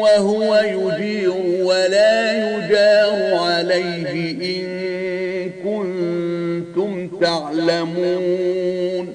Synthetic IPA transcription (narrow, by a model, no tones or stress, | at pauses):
waɦʊwajʊd͡ʒiːɾʊwalaːjʊd͡ʒaːɾʊʕalajɦɪʔɪŋ | kʊn | t̪ʊmt̪aʕlamuː | n